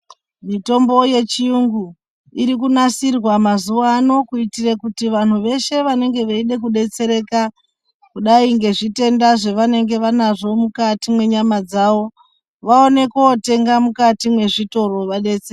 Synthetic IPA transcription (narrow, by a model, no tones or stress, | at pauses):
mito̞mbo̞je̞t͡ʃiuŋɡu | iɾikunasirwamazuʋano̞kuitirekutiʋan̤uʋe̞ʃe̞ʋane̞ŋɡe̞ʋeiɗe̞k̬uɗe̞t͡se̞ɾe̞ka | kuɗaiŋɡe̞ʐite̞ndaʐe̞ʋane̞ŋɡe̞ʋanaʐo̞mukatimwe̞ɲamad͡zaʋo̞ | ʋao̞ne̞keote̞ŋɡamukatimwe̞ʐito̞ro̞ʋaɗe̞t͡se